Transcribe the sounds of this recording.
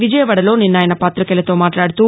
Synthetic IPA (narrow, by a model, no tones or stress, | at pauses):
ʋid͡ʒɐjɐʋɐɽɐlo̞ːninːaːjɐnɐpaːt̪ɾɐkɛlɐt̪o̞ːmaːʈlaːɽut̪uː